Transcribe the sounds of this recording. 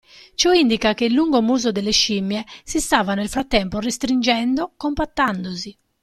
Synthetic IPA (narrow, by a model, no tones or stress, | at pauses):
t͡ʃɔind̪ikakelːuŋɡomuːzod̪elːeʃimːjɛsist̪aːvanelfɾat̪ːɛmporest̪ɾind͡ʒɛnd̪okompat̪ːand̪ozi